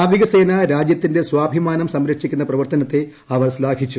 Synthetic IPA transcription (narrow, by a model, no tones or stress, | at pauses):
aːʋiɣɐse̞ːnɐɾaːd͡ʑjɐt̪ːinde̞swaːbʱimaːnɐmsɐmɾɐkʂikʲːunːɐprɐʋɐrt̪ɐnɐt̪ːe̞ | ɐʋɐrslaːɡʰʱit͡ɕːu